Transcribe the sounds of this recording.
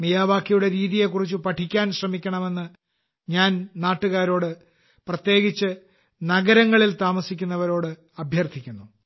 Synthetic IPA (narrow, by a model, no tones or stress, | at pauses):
mijaːʋaːkːijuɽe̞ɾiːðije̞kːurit͡ɕːupɐʈʰikʲːaːnɕrɐmikʲːɐɳɐme̞nːɨ | ɲaːnnaːʈːuɣaːɾo̞ːɽɨ | prɐt̪je̞ːɡit͡ɕːɨ | nɐɡɐɾɐŋːɐɭilt̪aːmɐsikʲːunːɐʋɐɾo̞ːɽɨ | ɐbʱjɐrt̪ʰikʲːunːu